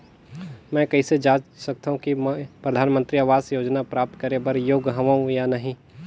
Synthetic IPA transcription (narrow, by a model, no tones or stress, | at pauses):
mɛ̃kɐised͡ʒaːd͡ʒsɐk̚t̪aːɦũkimpɾəɐd̪ʱaːnmə̃nt̪ɾiaːʋaːzjoːd͡ʒnapɾaːp̚t̪kɐɾebɐɾjoːɡɦɐʋaũjanɐɦĩ